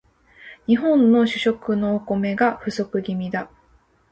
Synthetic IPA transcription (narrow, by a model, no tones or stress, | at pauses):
ɲ̟iɦõ̞nːo̞ɕɨɕo̞kɯ̟no̞ːko̞me̞ɡaɸɯ̟so̞kɯ̟ɡʲimʲid̪a